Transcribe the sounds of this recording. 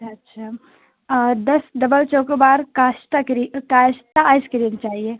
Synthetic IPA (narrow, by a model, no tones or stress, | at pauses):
ɐtːʃʰaː | d̪ɐsd̪ɐbəlt͡ʃoːkbaːɾkaːʃʈ̪akɾikaːʃt̪aaːskɪɾiːnt͡ʃaːɦieː